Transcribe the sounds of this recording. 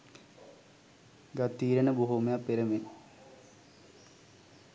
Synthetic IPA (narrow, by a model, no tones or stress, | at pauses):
ɡɐt̪ːiːɾɐɳɐbuɦumɐjapːeɾɐmen